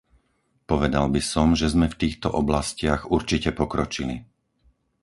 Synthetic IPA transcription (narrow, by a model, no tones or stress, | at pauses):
pɔʋɛd̪albisɔmʒɛzmɛft̪iːxt̪ɔʔɔblascɪaɣuɾt͡ʃicɛpɔkɾɔt͡ʃili